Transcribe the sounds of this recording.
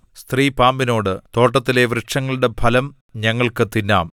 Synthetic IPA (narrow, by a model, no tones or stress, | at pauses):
st̪riːpaːmbino̞ːɽɨt̪o̞ːʈːɐt̪ːile̞ʋrɨʈʂɐŋːɐɭuɽe̞bʱɐlɐm | ɲɐŋːɐɭkɨt̪inːa̰ːm